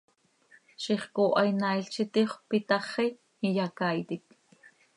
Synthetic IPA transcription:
ʃiχkoːʔɑjnajɬt͡ʃit̪iχʷpit̪ɑχi | ijakajt̪ik̪̚

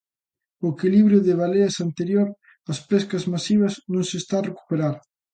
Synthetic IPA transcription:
oekiliβɾjʊðɪβaleɐsant̪eɾjoɾ | ɐspɛskɐzmasiβ̞ɐznõŋsest̪aːreku̥peɾaɾ

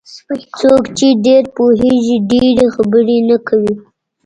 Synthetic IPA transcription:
t͡sokt͡ʃeɖeɾpoɦeʒiɖeɾexabəɾenakʰawi

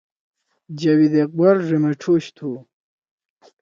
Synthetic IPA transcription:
d͡ʑɐwid̪eq̚bɐɾʐimɐʈ͡ʂʰoɕt̪ʰu

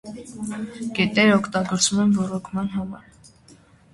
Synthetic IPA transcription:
kɛt̪ɛɾəɔkʰt̪ɑɡɔɾt͡svumɛnvɔɾɔkʰmɑnɦɑmɑ̰ɾ

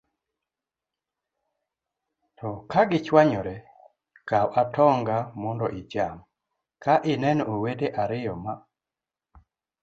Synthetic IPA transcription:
tʰɔkaɡɪt͡ʃwaɲɔɾɛ | kawʔatɔŋɡamɔndɔʔɪd͡ʒam | kaʔɪnɛnowedeʔaɾɪjɔma

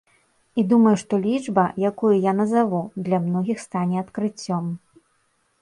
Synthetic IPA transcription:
id̪umɐjuʂt̪ɔlʲid͡ʐbɐjakujujanɐzavud̪lʲɐmnɔɣʲixst̪anʲɛɐt̪kɾɨt͡sʲːɔm

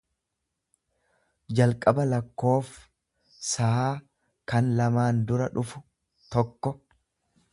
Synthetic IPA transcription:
d͡ʒɐlkʼɐbɐlɐkːo̞ːf | sɐaː | kɐnlɐmaːnd̪ʊɾɐᶑʊfʊ̥ | t̪ɔkːɔ

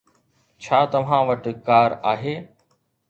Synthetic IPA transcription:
t͡ʃʰaːt̪ɐʋ̤ãːʋəʈkaːɾaːɦeː

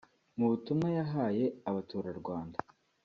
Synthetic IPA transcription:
muβutumŋajaɦaːje̞aβatuːɾaɾɡwaːnda

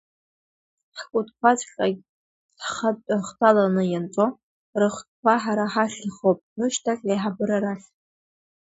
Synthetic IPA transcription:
ħkʷʼʊtʼkʷat͡sʼχʲʼaɡʲ | χaaχtʰalanɨjant͡sʼo | rɨχt̚kʷaħaɾaħaʃɨχowpʼnɨʃtʰakʲʼajħabɨɾaɾaχʲ

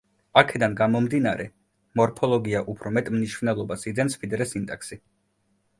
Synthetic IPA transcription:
akʰɛd̪anɡamɔmd̪inaɾɛ | mɔɾpʰɔlˠɔɡiaʔupʰɾɔmɛt̪ʼmniʃvnɛlˠɔbasid̪zɛnspʰid̪ɾɛsint̪ʼɛksi

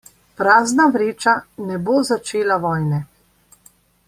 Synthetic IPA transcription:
pɾaːznaʋɾeːt͡ʃanɛboːzat͡ʃeːlaʋɔːjnɛ

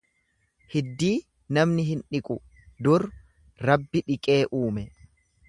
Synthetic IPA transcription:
hɪd̪ːiː | nɐmnɪɦɪnᶑɪkʼʊ | d̪ʊɾ | ɾɐbːɪᶑɪkʼe̞ːʔuːmɛ

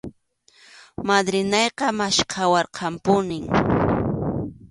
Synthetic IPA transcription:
mad̪ɾɪnɑjqɑmaʃqʰɑwɑɾqʰɑmpʊnɪŋ

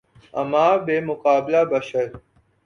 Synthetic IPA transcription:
ɐ̰maːbeːmʊqaːblaːbəʃəɾ

